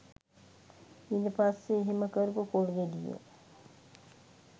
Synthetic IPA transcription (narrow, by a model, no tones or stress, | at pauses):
indepasːeːɦiməkəɾupukoɽɡed̪ijḛ